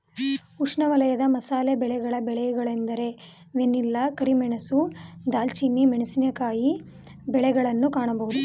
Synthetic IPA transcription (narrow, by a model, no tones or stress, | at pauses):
uʂɳɐʋɐlɐjɐd̪ɐmɐsaːlebɛɭɛɡɐɭɐbɛɭɛjɛɡɐɭend̪ɐɾe̞ | ʋenːilːɐkɐɾimɛɳɐsud̪aːlt͡ʃinːimeɳɐsinɐkaːji | bɛɭɛɡɐɭɐnːukaːɳɐbɐɦud̪u